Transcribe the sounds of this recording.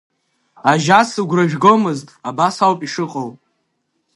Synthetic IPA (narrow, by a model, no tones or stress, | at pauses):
aʒasɨɡʷraʒᶣɡo̞mɨztʼabasawpʼiʂɨqʼow